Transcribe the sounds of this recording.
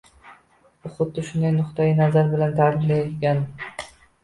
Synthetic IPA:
ʊχʊt̪̚d̪ɪʃʊnd̪ajnʊqt̪ajɪnazaɾbɪlant̪ʰaɾɪlajet̪ɡʲan

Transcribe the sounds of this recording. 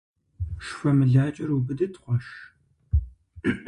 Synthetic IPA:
ʂfɐmɨɮaːt͡ʃʼɐrubɨdɐtχʷɔʃ

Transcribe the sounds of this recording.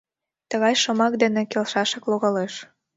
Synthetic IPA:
t̪əɣɑjʃomɑk̚d̪ĕnĕkelʃɑʃɤ̆kloɣɑleʃ

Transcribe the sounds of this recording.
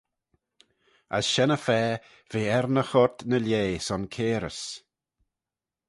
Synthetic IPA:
ə̰sʃɛnəfɛː | v̥eːɛɾnəxɔt̪nəljeːsɔnkʰeːɾə̰s

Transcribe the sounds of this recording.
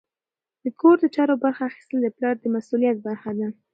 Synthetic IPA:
d̪̥əkʰoɾd̪ət͡ʃɑɾobaɾxaːxi̥st̪əld̪əplɑɾd̪əmasulijat̪̚baɾxad̪a

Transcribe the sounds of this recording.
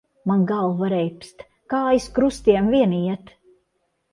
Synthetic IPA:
manɡalˠvaɾɛjpst̪ | kaːajskɾust̪iɛmviɛniɛt̪

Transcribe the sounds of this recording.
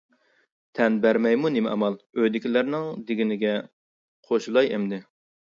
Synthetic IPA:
t̪ʰɛnbæɾmɛjmunɪmɛ̰ɑ̰mɑlˠøjd̪ɪkʲʰilæɾnɪŋd̪ɪɡʲɪnɪɡʲɛ | qʰoʃulˠɑjɛmd̪ɪ

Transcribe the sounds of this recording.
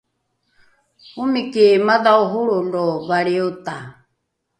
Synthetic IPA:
umikimaðauɦuɺundɔβaɺiut̪a

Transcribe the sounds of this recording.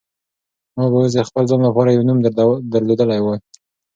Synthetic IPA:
mɑbəwas̬əxpəlzɑnlapɑɾajawnumd̪d̪əɾled̪əlajwəj

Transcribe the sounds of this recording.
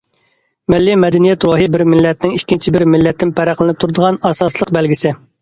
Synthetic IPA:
mɪlːimɛd̪ɛnijɛt̪ɾoɦɨbɪɾmɪlːɛt̪̚nɪŋikʲːint͡ʃʰibɪɾmɪlːɛt̪ːɪnpʰæɾæqlˠɪnɪp̚t̪ʰuɾɨd̪əʁɑnɑsɑslˠəqbɛlɡʲisɪ

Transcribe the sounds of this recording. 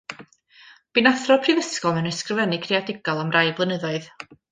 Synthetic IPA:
b̥inaθrɔpʰrivəskɔlˠmənəskrəvɛnɪkʰreadɪɡ̥ɔlˠamrajblˠənəðɔɨð

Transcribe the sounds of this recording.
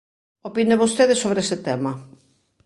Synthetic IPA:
opineβost̪eðɪsoβɾeesɪt̪ɛmɐ

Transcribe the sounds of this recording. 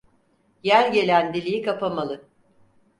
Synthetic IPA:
jæɾʲɟe̞lʲænd̪ilʲijikapʰamalˠɯ

